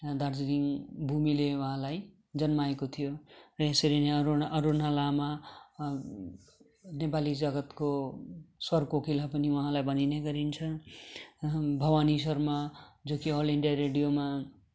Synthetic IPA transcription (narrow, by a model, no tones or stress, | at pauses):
d̪ard͡zɾiŋbʱumilewuɦãlaj | d͡zʌnmaekot̪ʰijorʌesʌɾineʌɾunalama | nepalid͡zʌɡʌt̪ko | swʌrkokʰilapʌniwʌɦãlajbʱʌnineɡʌɾint͡sʰʌ | bʱʌwanis̬ʌrmad͡zokiɦoleɳɖijaɾeɽijoma